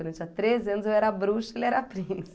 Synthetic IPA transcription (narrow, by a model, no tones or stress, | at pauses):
eɾɐ̃nt͡ʃĩɐt̪ɾezɪɐ̃nʊzewɛɾɐabɾuʃelɛɾɐapɾĩnɐs